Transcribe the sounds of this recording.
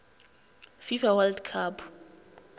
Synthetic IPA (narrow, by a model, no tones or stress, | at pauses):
fifawaldkʰap